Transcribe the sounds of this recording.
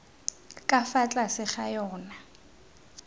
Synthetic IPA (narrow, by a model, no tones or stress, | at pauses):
kʼafat͡ɬʼasɪχajɔːna